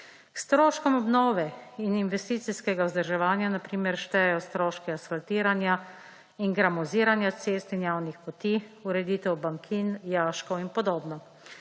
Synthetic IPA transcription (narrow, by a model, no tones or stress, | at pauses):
kst̪ɾoːʃkɔmɔbnɔːʋɛininʋɛst̪iːt̪siskɛɡauzd̪əɾʒɛʋaːnjanapɾiːmɛɾʃt̪ɛjɛjɔst̪ɾoːʃkɛasfalt̪iːɾanja | inɡɾamɔziːɾanjat̪seːst̪injawnixpɔt̪iːuɾɛd̪iːt̪ɛwbaŋkʰinjaːʃkɔwinpɔd̪oːbnɔ